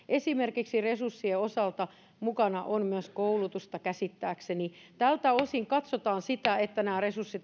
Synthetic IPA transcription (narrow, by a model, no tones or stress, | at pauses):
ʔesimerkiksiresursːieosɑlt̪ɑ | mukɑnɑʔonmyøskoulut̪ust̪ɑkæsit̪ːæːkseni | t̪ælt̪æosiŋkɑt̪sot̪ɑːnsit̪æet̪ːænæːresursːit̪